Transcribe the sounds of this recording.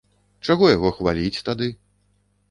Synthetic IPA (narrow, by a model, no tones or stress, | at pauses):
t͡ʂaɣɔjaɣɔxvalʲit͡sʲt̪ad̪ɨ